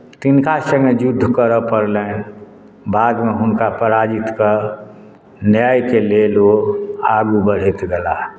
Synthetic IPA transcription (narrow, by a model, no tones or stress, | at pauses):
t̪inkasə̃ŋɡed͡ʒʊd̪ʱːkəɾəpəɾlẽ | baːd̪meɦʊnkapəɾad͡ʒit̪kəɾ | njajkeleloːɡaːɡubəɽ̤it̪ɡɛla